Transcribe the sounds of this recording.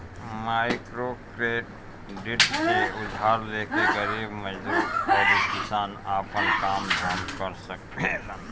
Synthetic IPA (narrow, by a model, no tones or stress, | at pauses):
maɪkɾokɾeʈ | ɖiʈkeʊd̪ʱaɾlekeɡəɾibməd͡ʒd̪usəɾikɪsaːnapənkaːmd̪ʱamkəɾsək̚tel